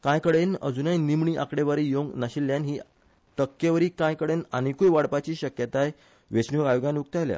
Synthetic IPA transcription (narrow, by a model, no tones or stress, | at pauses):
kãjkəɽenə̰d͡zunajnimɳiːʔa̰kɽeʋaɾijoŋɡnaɕilːjanɦiː | ʈ̪əkːeʋəɾiːkãjkəɽenanikujʋaɽpat͡ɕiːɕəkjət̪aj | ʋet͡ɕnuajoɡjãnukt̪ajlja̰